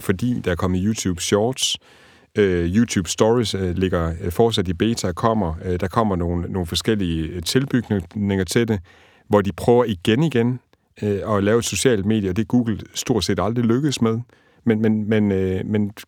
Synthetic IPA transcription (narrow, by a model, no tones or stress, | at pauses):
fɒ̽d̥ḭːd̥ɑæɐkʰɒ̽mð̩ˠjuːt͡sʰuːb̥ɕɒːd̥s | øjuːt͡sʰuːb̥sd̥ɒʁisle̝ɡ̥ɐfɒːsæd̥ib̥eːt͡sʰækʰɒ̽m̰ɐd̥ɑ̈kʰɒ̽m̰ɐno̝ːn̩ːo̝ːn̩fɒ̽sɡ̥el̰iət͡sʰe̝lb̥yɡ̥nene̝ŋɐt͡sʰe̝de | ʋɒd̥ipʰʁœːʊɐiɡ̥eniɡ̥en | ɒ̽lɛːʊed̥so̝ɕɛ̰ːld̥me̝̰ːd̥jəɒ̽d̥e̝æɡ̥uːɡ̥l̩sd̥o̝ɐ̰d̥se̝̰ːd̥ɑ̈ld̥ʁiløɡ̥əð̩ˠsmeð̞ˠ | menmenmenmen